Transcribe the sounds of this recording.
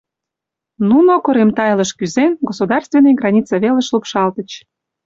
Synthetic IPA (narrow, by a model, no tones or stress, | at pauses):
nunokoɾemt̪ɑjləʃkyzenɡosud̪ɑrst̪venejɡrɑnʲit͡sɑβeləʃlupʃɑlt̪ə̆t͡ɕ